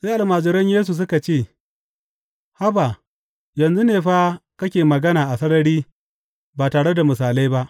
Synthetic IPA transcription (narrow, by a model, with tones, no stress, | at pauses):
sa˦ʔa˨lmaː˨d͡ʒɪ˨ɾɐ˦ɲjeː˦s̬u˨s̬ʊ˦ka˨t͡ʃeː˦˨ | ha˦ba˨ | jɐ˨nzu˦neː˨ɸa˦kɐ˦kʲeː˨mɐ˨ɡɐ˦naː˨ʔa˨sɐ˦nɐ˦ɽiː˦ | baː˨taː˨ɽe˦da˨mʊ˨saː˨le˦jba˦ʔ